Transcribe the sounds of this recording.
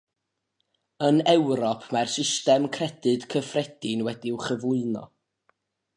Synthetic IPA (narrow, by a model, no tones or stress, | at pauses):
ənɛwɾɔpʰmarsɪstɛmkʰrɛd̥ɨd̥kʰəfrɛd̥ɪnwɛdiwχəvʊɨnɔ̰